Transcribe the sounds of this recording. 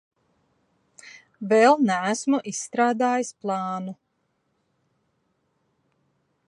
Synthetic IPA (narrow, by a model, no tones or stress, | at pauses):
vɛlˠnæːsmuʔisːt̪ɾaːd̪aːjisplˠɑːnu